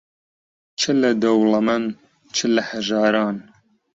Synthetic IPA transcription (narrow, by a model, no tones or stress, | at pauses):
t͡ʃʰɨlɐd̪ɐwlɐmɐn | t͡ʃʰɨlɐhaʒɑːɾɑːn